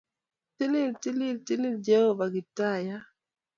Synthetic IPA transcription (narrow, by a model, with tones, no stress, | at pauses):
ti˦lɪ˦˨lti˦lɪ˦˨lti˦lɪ˦ld͡ʒɛ˦ho˦va˨ɡɪ˨ta˦˨ja˦